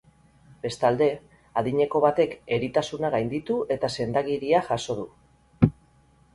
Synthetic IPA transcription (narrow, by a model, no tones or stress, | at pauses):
b̥e̞st̪ald̪e̞ | aðiɲe̞ko̞βat̪e̞ke̞ɾit̪asunaɣ̞ajnd̪it̪ue̞t̪ase̞nd̪aɣiɾiaʝaso̞ðu